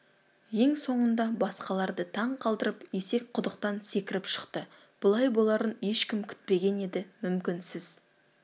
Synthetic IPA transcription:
je̞ŋso̞ɴənd̪ɑbɑsqɑlˠɑɾd̪ət̪ʰɑɴqʰɑlˠd̪əɾəpje̞se̞k̚ʲqʰʊd̪əqt̪ɑnse̞kʲɪɾɪpʃə̥qt̪ə | b̥ʊlˠɑjbo̞lˠɑɾənje̞ʃkʲɪmkʲʰʏ̥t̪̚pe̞ɡʲe̞ne̞d̪ɪmʏmkʲɪnsɪz̥

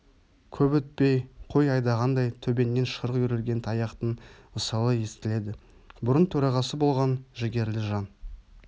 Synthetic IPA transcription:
kʲʰɵbɵt̪̚pe̞jqʰo̞jɑjd̪ɑʁɑnd̪ɑjt̪ʰɵbe̞nːe̞nʃəɾʁjʏɾelɡʲe̞nt̪ʰɑjɑqt̪əɴməsɑlˠəje̞st̪ɪle̞d̪ɪ | bʊɾənt̪ʰɵɾɑʁɑsəbo̞lˠʁɑnʒɪɡʲe̞ɾlɪʒɑn

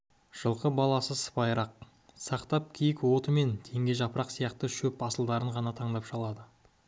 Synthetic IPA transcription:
ʒ̥əlˠqəbɑlˠɑsəsə̥pɑjɾɑq̚ | sɑqt̪ɑp̚kʲʰijɪkwo̞t̪əme̞nt̪ʰe̞ŋɡʲe̞ʒɑpəɾɑqsijɑqt̪əʃɵpɑsəlˠd̪ɑɾəɴʁɑnɑt̪ʰɑɴd̪ɑpʃɑlˠɑd̪ə

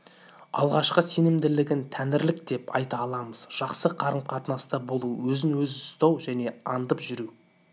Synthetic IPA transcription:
ɑ̰lˠʁɑʃqəse̞nɪmd̪ɪlɪɡʲɪnt̪ʰænɪɾlɪkd̪e̞pɑ̰jt̪ɑːlˠɑməz̥ʒ̥ɑqsəqʰɑɾəmqʰɑt̪nɑst̪ɑbo̞lˠuwɵzɪnwɵzɪst̪ɑwʒæne̞ɑnd̪əpʒʏɾu

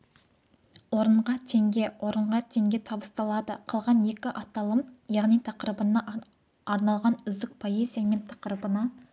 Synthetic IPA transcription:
wo̞ɾəɴʁɑt̪ʰe̞ŋɡʲe̞wʔo̞ɾəɴʁɑt̪ʰe̞ŋɡʲe̞t̪ʰɑbəst̪ɑlˠɑd̪əqʰəlˠʁɑne̞kʲɪʔɑt̪ɑlˠəmjɑʁnijt̪ʰɑqɾəbənɑ | ɑɾnɑlˠʁɑnʏzd̪ɪk̚pʰo̞ezijame̞nt̪ʰɑ̥qɾəbənɑ

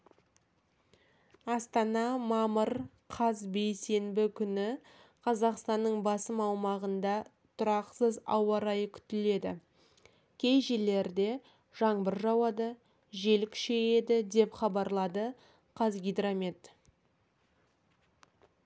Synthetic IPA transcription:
ɑst̪ɑnɑmɑməɾ | qʰɑzbe̞jse̞mbɪkʲʰʏnɪ | qʰɑzɑqst̪ɑnːəɴbɑsəmɑwmɑʁənd̪ɑ | t̪ʰʊɾɑqsəzɑwɑɾɑjəkʲʰʏ̥t̪ɪle̞d̪ɪ̰ | kʲʰe̞jʒe̞le̞ɾd̪e̞ | ʒ̥ɑɴbəɾʒɑwɑd̪ə | ʒe̞lkʲʰʏ̥ʃeed̪ɪd̪e̞pχɑbɑɾlˠɑd̪ə | qʰɑzɡʲijd̪ɾamʲet̪

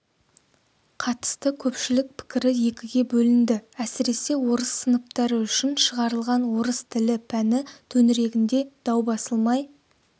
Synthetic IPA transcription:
qʰɑt̪ə̥st̪əkʲʰɵpʃɪlɪk̚pʰɪ̥kʲɪɾɪje̞kʲɪɡʲe̞bɵlɪnd̪ɪæsɪɾe̞se̞wo̞ɾəsːənəp̚t̪ɑɾəʏʃɪnʃəʁɑɾəlˠʁɑnwo̞ɾəst̪ʰɪlɪpʰænɪt̪ʰɵnɪɾe̞ɡʲɪnd̪e̞d̪̥ɑwbɑsəlˠmɑj

